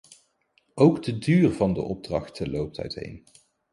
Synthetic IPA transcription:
ʔowɡdədyːrvɑndə̰ʔɔb̚drɑ̰χtəlowp̚tʰɛ̰ɥtɦḛjn

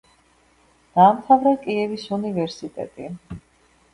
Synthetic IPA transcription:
d̪̥aːmt̪ʰavɾɛkʼiɛvisunivɛɾsit̪ʼɛ̰t̪ʼi

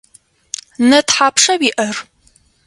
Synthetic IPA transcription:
nɐtħaːpʰʂɐwiʔɐr

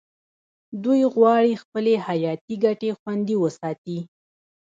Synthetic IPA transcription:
d̪ujɣwɑɽixpəlehajɑt̪iɡaʈexwand̪iwəsɑt̪i

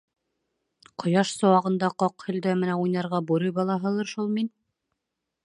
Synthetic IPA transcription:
qŏjɑʃsŏwɑʁɤ̆nd̪ɑqɑqhɵ̆ld̪æmɘnæujnɑɾʁɑbuɾɤjbɑlˠɑɦɤ̆lˠɤɾʃulˠmin

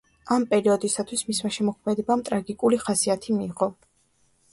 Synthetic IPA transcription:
ampʼɛɾiɔd̪isat̪ʰwismismaʃɛmɔkʰmɛd̪ɛbamt̪ʼɾaɡikʼuliχasiat̪ʰimiːʁɔ

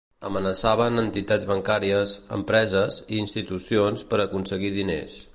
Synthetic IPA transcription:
əmənəsaβ̞ənənt̪it̪ad͡zβəŋkaɾiəsə̰mpɾɛzəziːnst̪it̪usionspəɾəkunsəɣiðinḛs

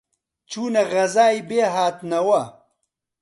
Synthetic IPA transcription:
t͡ʃuːnɐɣɐzaːibeːɦaːt̪nɐwɐ

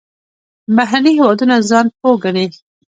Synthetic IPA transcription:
baɦanihewɑd̪unazɑnp̚oɡaɽe

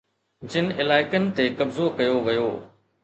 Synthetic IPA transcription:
d͡ʑɪnɪlaːɪkənɪ̆t̪ekɐbzokɐjoʋɐjoː

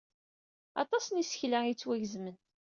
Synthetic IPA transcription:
ɑ̰t̪ˤɑsnisə̥çlæit͡sːwæʝəzmən

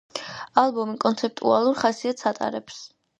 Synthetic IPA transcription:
alˠbɔmikʼɔnt̪sʰɛp̚t̪ʼṵalˠuɾχasiat̪ʰsat̪ʼa̰ɾɛps

